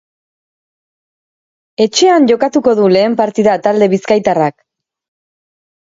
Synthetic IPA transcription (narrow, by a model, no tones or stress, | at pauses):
e̞t͡ʃe̞anʝo̞kat̪uko̞ðule̞ːmpaɾt̪iðat̪ald̪e̞βiskajt̪arak